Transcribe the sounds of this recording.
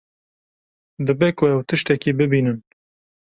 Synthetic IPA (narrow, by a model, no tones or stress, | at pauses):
d̪ɨbekʊɛwt̪ɨʃt̪ɛkibɨbiːnɨn